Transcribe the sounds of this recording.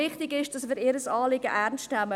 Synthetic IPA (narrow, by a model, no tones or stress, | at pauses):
ɪχtɪɡɪʃd̥ɑsmɪːɾɪːɾəsɑːlɪɡəʔæɾnstnæmə